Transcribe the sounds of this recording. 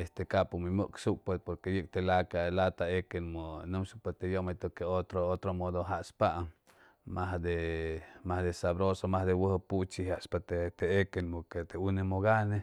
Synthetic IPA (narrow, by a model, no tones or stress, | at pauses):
est̪ekapumimuksukpepoɾkejɨk̚t̪elakalat̪aekenmonɨmsupat̪ejomat̪okeot̪ɾoot̪ɾomod̪oɦaʔspaʔ | maɦd̪emahd̪esabɾosomahd̪ewəhput͡ʃihaʔspat̪t̪eekenmoket̪eunemoɡane